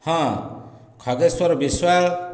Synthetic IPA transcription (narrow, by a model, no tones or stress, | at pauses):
hʌ̃ | kʰʌɡeswʌɾbiswaɭ